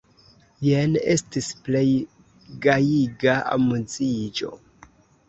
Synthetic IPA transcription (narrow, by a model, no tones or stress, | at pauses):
jene̞stisple̞j | ɡajiɡaʔa̰muzid͡ʒo̞̰